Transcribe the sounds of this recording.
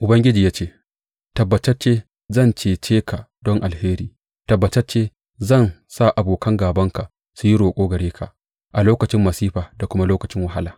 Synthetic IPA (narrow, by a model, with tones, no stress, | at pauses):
ʔʊ˨bɐ˦ŋɡʲɪ˦d͡ʒiː˨jaː˦t͡ʃeː˦ | tɐ˨bːɐ˨tɐ˦rt͡ʃeː˦ | zɐ˦˨nt͡ʃeː˨t͡ʃeː˦kʰa˨dɔ˦ŋʔa˨lheː˦ɾiː˨ | tɐ˨bːɐ˨tɐ˦rt͡ʃeː˦ | zɐ˦˨nsaː˦˨ʔa˨boː˨kʰɐ˦ŋɡaː˨bɐ˦ŋka˨ʔ | su˨ji˦ɽoː˨kʷʼoː˦ɡɐ˨ɽeː˦kʰa˨ʔ | ʔa˨loː˦kɐ˨t͡ʃɪ˦mːɐ˨siː˦ɸaː˨da˨kʷʊ˦ma˦loː˦kɐ˨t͡ʃɪ˦ŋwɐ˨ɦa˦laː˨